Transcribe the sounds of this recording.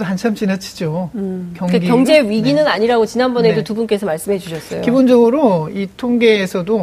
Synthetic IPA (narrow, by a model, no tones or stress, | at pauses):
ant͡ɕʰamt͡ɕinat͡ɕʰi̥d͡ʑokjʌŋkaɡikjʌŋd͡ʑe̞ɥiɡinɯnaɲiɾaɡot͡ɕinanbʌnedotubunk͈e̞sʰʌmaɭs͈ɯmɦed͡ʑuɕʰʌs͈ʌjo̰kibond͡ʑʌɡɯɾoitʰoŋɡe̞ːsʰʌdo